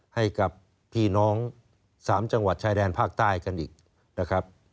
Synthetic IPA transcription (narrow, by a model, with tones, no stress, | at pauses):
ha˥˩jka˨˩pʰː | iː˥˩nɔː˦˥ŋ | saː˩˦mt͡ɕa˧ŋwa˨˩t̪̚t͡ɕʰaː˦˧˥jdɛː˧npʰaː˥˩k̚t̪aː˥˩jka˧nʔiː˨˩k̚ | na˦˥kʰɾa˦˥p̚